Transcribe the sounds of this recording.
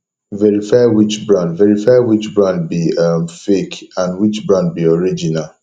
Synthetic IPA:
vɛɹifajwit͡ʃbɹãndvɛɹifajwit͡ʃbɹãnd̚biamfekãndwit͡ʃbɹãnd̚biɔɹid͡ʒinal

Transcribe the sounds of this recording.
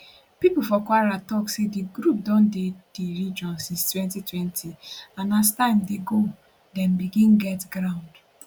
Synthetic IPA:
pipufɔkwaɾatɔksediɡɾup̚dɔ̃nded̥eɾid͡ʒɔ̃nsĩnstwɛ̃ntitwɛntʰianastãɪ̃mdeɡo | dɛ̃mbiɡĩnɡɛtɡɾãʊ̃nd

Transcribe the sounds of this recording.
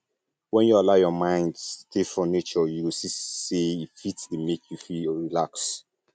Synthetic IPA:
wɛ̃njualaʊjɔmãɪ̃ndtʰefɹɔ̃net͡ʃɔjuwisiseifitdemekʰjufiɹilaks

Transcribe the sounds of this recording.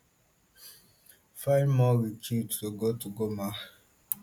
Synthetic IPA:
faɪnmɔɾit͡ʃittoɡotuɡoma

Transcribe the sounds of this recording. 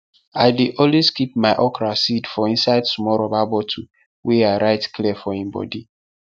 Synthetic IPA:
aɪdeʔõlweskip̚maɪʔɔkɾasidfɔĩnsaɪd̚tumɔɾobabɔtʰu | weaɪɾaɪtkliɛfɔĩmbɔ̰di

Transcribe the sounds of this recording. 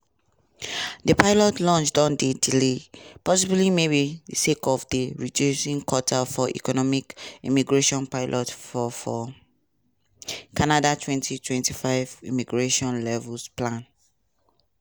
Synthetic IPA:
depaɪlɔtlɔ̃nt͡ʃdɔ̃ndedilepɔsiblimebidsekɔfdeɹidjusĩŋkɔtʰafɔʔḭkɔnɔmikimiɡɹeʃɔ̃npaɪlʔɔtfɔfɔ | kʰanadatʰwɛ̃ntʰitʰwɛ̃ntifaɪvḭmiɡɹeʃɔ̃nlɛvusplãn

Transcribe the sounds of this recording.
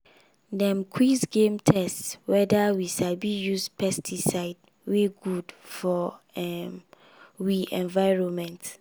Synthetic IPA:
dɛ̃mkʰwisɡẽmtʰɛstswɛdawiʃabijuspʰɛstʰisaɪd | weɡudfɔɛm | wiʔɛ̃nvaɪɹõnmɛ̃nt

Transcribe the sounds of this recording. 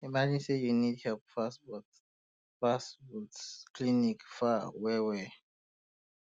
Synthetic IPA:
imad͡ʒĩnsejunithɛlp̚fasbɔt | fasbɔtsklinikfawɛwɛ

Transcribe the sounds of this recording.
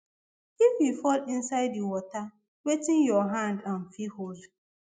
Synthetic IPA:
ifjifɔlɪnsaɪdiwɔta | wetɪ̃njɔɦãndanfihod

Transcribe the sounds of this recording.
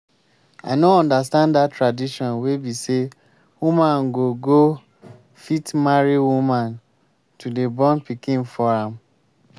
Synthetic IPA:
aɪnoɔ̃ndas̬tãnddatɹadiʃɔ̃nwebise | wumãnɡoɡo | fitmaɹiwumãn | tudebɔ̃npikĩnfɔɹãm

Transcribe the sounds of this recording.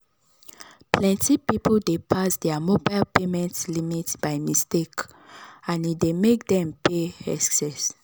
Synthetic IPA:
plɛ̃ntipipldepʰasdɛamobaɪlpemɛ̃ntlimitbajmistek | ãnidemek̚dɛ̃mpʰeɛ̰ssɛs

